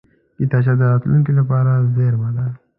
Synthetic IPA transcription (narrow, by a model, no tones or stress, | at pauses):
it̪at͡ʃad̪əat̪luŋkilapɑːɾazeɾmad̪a